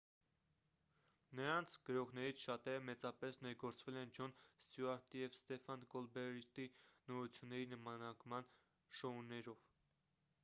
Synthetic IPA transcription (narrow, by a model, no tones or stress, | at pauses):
nəɾɑnt͡sʰɡ̥əɾɔʁnɛɾit͡sʰʃɑt̪ɛɾəmɛt͡sɑpɛsnɛɾɡɔɾt͡svɛlɛnd͡ʒɔnst̪juɑɾt̪ijɛvst̪ɛfɑnkɔlbɛɾit̪inɔɾut͡sʰjunːɛɾinəmɑnɑkmɑn | ʃɔunːɛɾɔv̥